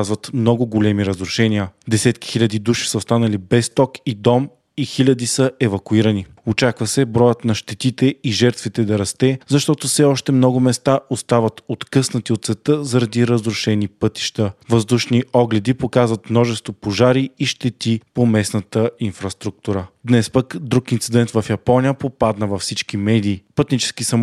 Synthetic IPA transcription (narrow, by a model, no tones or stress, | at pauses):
zvət̪mnɔɡʊɡolɛmiɾəzɾʊʃɛniəd̪ɛsɛt̪ki̥xilʲɐd̪id̪uʃi̥səost̪anɐlibɛst̪ɔkid̪ɔm | ixilʲəd̪isəʔɛvɐkʊiɾəni | ot͡ʃakvəsɛbɾɔjət̪nɐʃt̪ɛt̪it̪ɛiʒɛɾt̪vit̪ɛd̪ɐɾɐst̪ɛzɐʃt̪ɔt̪ʊfsɛɔʃt̪ɛmnɔɡʊmɛst̪aʔost̪avɐt̪ot̪kɤsnɐt̪iot̪t̪sɛt̪əzɐɾɐd̪iɾəzɾʊʃɛnipɤt̪i̥ʃt̪əvɐzd̪uʃniɔɡlɛd̪ipokazvɐt̪mnɔʒɛst̪vopoʒaɾiiʃt̪ɛt̪ipomɛsnət̪əinfɾɐst̪ɾuk̚t̪uɾəd̪nɛspəkd̪ɾukint̪sid̪ɛnt̪vɐfjɐpɔnijəpopad̪nəvɐfsit͡ʃkimɛd̪iːpɤt̪nit͡ʃɛ̥skisɐ